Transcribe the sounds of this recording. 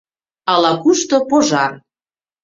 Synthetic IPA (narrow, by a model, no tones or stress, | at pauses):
ɑlɑkuʃt̪opoʒɑr